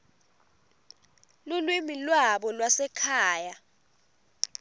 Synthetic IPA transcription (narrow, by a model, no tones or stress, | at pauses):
lulwimilwaɓɔlwasɛkʰaːja